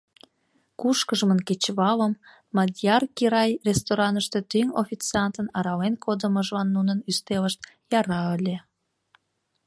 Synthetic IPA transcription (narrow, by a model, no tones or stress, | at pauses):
kuʃkəʒəmənket͡ɕβɑləmː | ɑd̪ʲjɑrkiɾɑjrʲest̪oɾɑnəʃt̪e̽t̪yŋofʲit͡sɑnt̪ənɑɾɑlenkʰod̪əməʒlɑnːunənyst̪eləʃt̪̚ | jɑɾɑəlʲe